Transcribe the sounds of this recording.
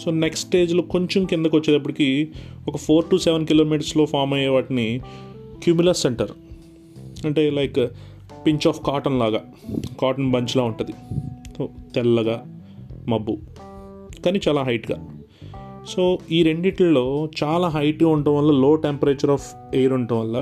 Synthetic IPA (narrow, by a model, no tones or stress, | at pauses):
so̞ːneksʈe̞ːd͡ʒloːko̞ɲt͡ʃomkind̪ɐkʋɐt͡ʃːeːd̪ɐp̬ːuɽʈikiɔkɐpʰo̞ːɾʈuːsɛʋɐnkilo̞ːmiːʈ̬ɐɾslo̞ːpʰaːɾmɐjɛʋaːʈini | kjuːmilɐsːeɳʈɐɾ | ɐɳʈe̞ːlɐjk | piɲt͡ʃaːfkaːʈɐnlaːɡa | kaːʈɐnbɐɲt͡ʃilaːuɳʈɐd̪isoːt̪ɛlːɐɡaː | mɐbːu | kaːniːt͡ʃaːlaːɦɐjʈɡa̰ː | so̞ːiːɾe̞ɳɖiʈllːo̞ːt͡ʃaːlaːɦɐjʈɡaːuɳʈumʋɐlːalo̞ːʈempɐɾeːt͡ʃɐɾaːf | ejɾuɳʈuʋʋɐlːa